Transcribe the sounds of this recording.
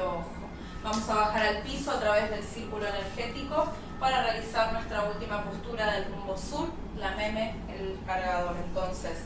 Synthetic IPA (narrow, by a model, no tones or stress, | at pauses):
oxo | bamo̞saβaxaɾalpiso̞at̪ɾaβe̞zðe̞lsiɾkulo̞ene̞ɾxe̞t̪iko | paɾarealisaɾnwe̞st̪ɾault̪imapo̞st̪uɾaðe̞lrumbo̞suɾ | lamẽme | elkaɾɣaðo̞ɾe̞nt̪o̞nses